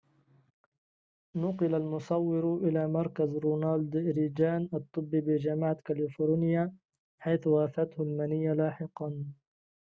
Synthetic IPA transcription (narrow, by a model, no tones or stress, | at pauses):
nʊqɨlalmʊsˤɑwːɪɾʔɪlaːmɑɾˤkazɾuːnald̪ɾiːd͡ʒaːnʔɑt̪ˤːɨbːiːbɪd͡ʒamaʕat̪kalɪfoːɾnɪja | ħajθwaːfat̪hʊlmanɪjːalaːħɪqɑn